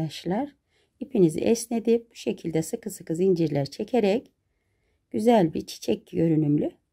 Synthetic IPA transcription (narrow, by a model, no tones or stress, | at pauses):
aʃlˠaɾ̥ | ipʰinizḭʔɛsnʲed̪ib̥u̥ʃe̞cʰilʲd̪ɛsɯkʰɯsɯkɯzind͡ʒiɾlʲæɾt͡ʃʰe̞cʰeɾɛc | ɟ̥yzælʲbiɾt͡ʃʰi̥t͡ʃʰɛc̚jø̞ɾynymlʲy